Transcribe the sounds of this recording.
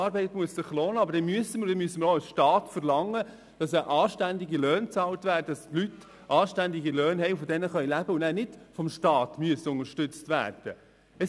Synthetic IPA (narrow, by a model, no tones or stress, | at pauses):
ɑːɾbɛɪtmuəssɪχloːnəɑbəɾd̥ɛnmyəsəməɾdɛnmyəsːəməɾoɑlsʃtɑːtfəɾlɑŋːə | d̥ɑsəʔɑːʃtænd̪iɡilœːnt͡sɑːlt̪ʋæːɾdəd̥ɑstlyt | ʔɑːʃtænd̪iɡilœːnɦɛɪfɔd̪ɛnəχœʏlæbəʊnæːnɪd̥fɔmʃtɑːt̪myəsəʊnəʃtʏt͡st̪ʋæ̰ːrd̥ə | ɛ